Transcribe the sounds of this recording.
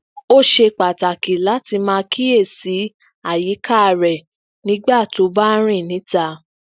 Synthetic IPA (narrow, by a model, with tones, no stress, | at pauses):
o˦˨ʃe˧k͡pa˨ta˨ki˨la˨˦ti˧mãː˧kʰi˦e˦˨si˨˦ | a˦˨ji˨˦kʰa˦˧ɾɛ˨ | nĩ˨˦ɡ͡ba˦˨to˨˦ba˦ɾ̃ĩ˦˨nĩ˨˦ta˧˦